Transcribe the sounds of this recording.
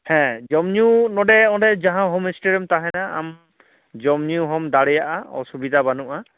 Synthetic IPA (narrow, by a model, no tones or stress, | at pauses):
hɛ̃d͡ʒɔmniunɔdɛɔ̃dɛd͡ʒaɦãɦomisʈeɾiɔmtaɦɛnaa̰m | d͡ʒɔmniuɦɔmd̪aɽɛjaʔaɔ̰subid̪ʱabanuʔa